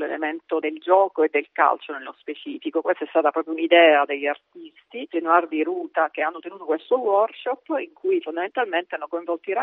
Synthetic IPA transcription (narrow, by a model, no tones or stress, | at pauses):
lḛlḛment̪od̪eld͡ʒɔːkoed̪ːelka̰lt͡ʃonelːospet͡ʃiːfikokwest̪aɛst̪aːt̪apɾɔːp̬ɾjounid̪ɛːad̪eʎːart̪ist̪id͡ʒenward̪iɾuːt̪ak̟eanːot̪enuːt̪okwelst̪owɔrkʃɔpːiŋkujifond̪ament̪alment̪eanːokoiɱvɔlt̪iɾa